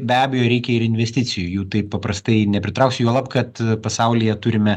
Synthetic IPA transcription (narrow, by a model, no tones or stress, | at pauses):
bʲæːbʲɛjoːɾʲɛɪkʲɛɪɾɪnʲʋʲɛsʲt̪ʲɪt͡ssʲɪjʊjuːt̪ɐɪppɐpɾɐst̪ɐɪnʲɛpʲɾʲɪt̪ɾɐʊksʲjuɔlˠɐpkɐt̪pɐsɑʊlʲɪjɛt̪ʊɾʲɪmʲɛ